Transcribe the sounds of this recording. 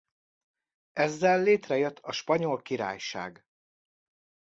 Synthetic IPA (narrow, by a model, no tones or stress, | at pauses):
ʔɛzːɛlːeːt̪rɛjøt̪ʰːɒʃpɒɲo̞lkiɾa̰ːjʃa̰ːɡ